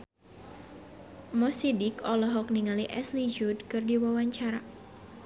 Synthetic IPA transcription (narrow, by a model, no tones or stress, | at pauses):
mɔsidikɔlɔɦɔk̚niŋaliʔɛslid͡ʒudkɨrdiwawaɲt͡ʃaɾa